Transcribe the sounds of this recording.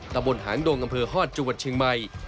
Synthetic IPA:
t̪a˧mbo˧nhaː˩˦ŋdoː˧ŋʔa˧mpʰɤː˧hɔː˥˩t̪̚t͡ɕu˧˨˩ət̪̚t͡ɕʰɯ˧ŋma˧j

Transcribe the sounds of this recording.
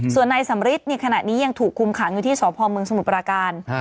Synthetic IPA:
su˨˩ənːaː˧jsa˩˦mɾi˦˥t̪̚na˧jkʰa˧na̰˨˩niː˦˥ja˧ŋt̪ʰuː˨˩kʰːu˧mkʰa˩˦ŋjuː˧t̪ʰiː˥˩sɔː˩˦pʰɔː˧mɯ˧əŋsa˧mu˨˩t̪̚pɾaː˧kaː˧n

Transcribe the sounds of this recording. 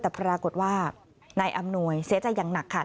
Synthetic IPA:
t̪ɛː˨˩pɾaː˧ko˨˩t̪̚waː˥˩ | na˧jʔa˧mnu˧əjsi˨˩˦t͡ɕa˧jːaː˨˩ŋna˨˩kʰːa˥˩

